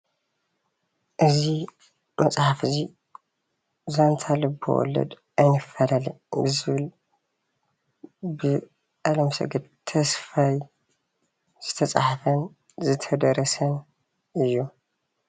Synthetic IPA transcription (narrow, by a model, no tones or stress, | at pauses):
ʔɨzi | mɐt͡sʼħafzi | zant̪ʰalɨbɨ̰wɔ̰lːɐ̰d̪ | ʔajnɨfːɐlalḭɨzɨβɨl | bɨ | ʔalɐmsɐ̰ɡɨd̪t̪ʰɐsfaj | z̥ɨt̪ʰɐt͡sʼħafɐn | zɨt̪ʰɐd̪ɐɾɐsɐn | ʔɨjːu